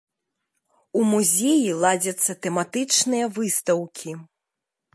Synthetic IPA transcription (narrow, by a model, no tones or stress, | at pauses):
umuzʲejilˠad͡zʲɐt̪sːɐt̪ɛmat̪ɨt͡ʂnɨjɐvɨst̪ɐwkʲʰi